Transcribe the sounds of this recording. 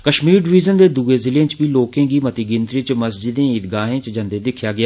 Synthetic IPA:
kəʃmiːɾɖɪʋiːzənd̪eːd̪uːeːzɪlẽːt͡ʃbiːloːkẽːɡiːmət̪iːɡɪ̃nt̪ɾiːt͡ʃməsd͡ʒɪd̪ẽːit̪ɡaːɦẽːt͡ʃd͡ʒə̃nd̪eːd̪ɪkʰjaːɡɪjaː

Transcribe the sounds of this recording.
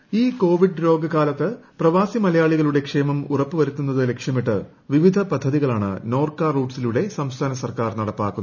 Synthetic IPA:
iːko̞ːʋiɖɾo̞ːɡɐkaːlɐt̪ːɨprɐʋaːsimɐlɐjaːɭiɣɐɭuɽe̞kʂe̞ːmɐmurɐpːɨʋɐɾut̪ːunːɐðɨle̞kʂjɐmiʈːɨ | ʋiʋid̪ʱɐpɐd̪ʱːɐðiɣɐɭaːɳɨ̰no̞ːrkaːruːɖsiluɽe̞sɐmst̪ʰaːnɐsɐrkaːrnɐɽɐpːaːkːunː

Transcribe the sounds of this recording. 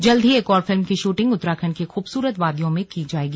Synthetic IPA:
d͡ʒɐld̪ʱieːkɔːɾfɪlmkiʃuːʈɪ̃ŋɡʊt̪ːɾaːkʰənkexuːbsuːɾət̪ʋaːd̪jõmẽkid͡ʒaːeːɡi

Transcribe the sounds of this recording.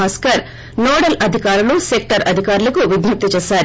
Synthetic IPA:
aːskɐɾ | noːɽɐlɐd̪ʱikaːɾulusek̚ʈɐɾɐd̪ʱikaːɾulɐkuʋiɡnɐp̚t̪ːit͡ʃeːsaːɾu

